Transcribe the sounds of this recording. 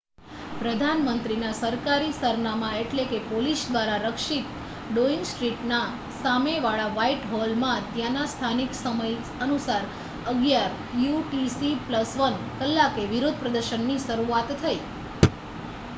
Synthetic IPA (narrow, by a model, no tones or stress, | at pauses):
pɾəd̪ʱanmənt̪ɾinasəɾkaɾisəɾnamãeʈlekepolisd̪ʋaɾaɾəkʃit̪ | ɖoiŋɡsʈɾiʈna | sameʋaɭaʋaiʈɦɔlmãt̪jãnast̪ʰaniksəməj | ənusaɾ | əɡjaɾ | juʈisipləsʋən | kəlːakeʋiɾod̪ʱpɾəd̪əɾʃənːiʃəɾuat̪ːʰəi